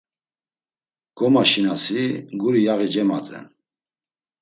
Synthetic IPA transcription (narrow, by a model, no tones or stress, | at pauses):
ɡ̥ɔmaʃinasiɡuɾijaɣid͡ʒɛma̰t̪ʼɛ̰n